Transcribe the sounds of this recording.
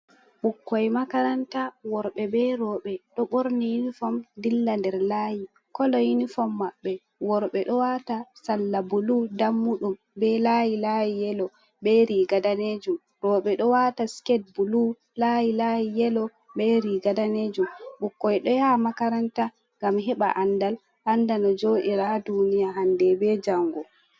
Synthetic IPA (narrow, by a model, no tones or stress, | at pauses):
ɓukːɔjmakaɾantawɔɾɓɛbɛɾɔɓɛɗɔɓoɾnijinifɔmdilːandɛɾlaji | kɔlɔjinifɔmːaɓːɛ | wɔɾɓɛɗɔwatasalːabuludamːuɗum | bɛlajilajijɛlɔ | bɛɾiːɡadaned͡ʒum | ɾɔɓɛɗɔwataskɛd̚bulu | lajilajijɛlɔ | bɛɾiɡadaned͡ʒumbukːɔjɛɗɔjamakaɾanta | ŋɡamɦɛɓa̰ʔandal | ʔandanɔd͡ʒoɗiɾadunijaɦandɛbɛd͡ʒaŋɡɔ